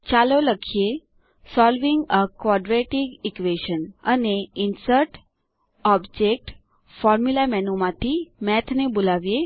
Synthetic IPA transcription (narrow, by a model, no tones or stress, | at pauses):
t͡ʃaloləkʰije | sɔlʋiŋɡəkʋɔɖɾeʈiɡikʋeʃənəneinsəɾʈ | ɔbd͡ʒek̚ʈ | fɔɾmulamɛnomãt̪ʰimɛt̪ʰnebolaʋije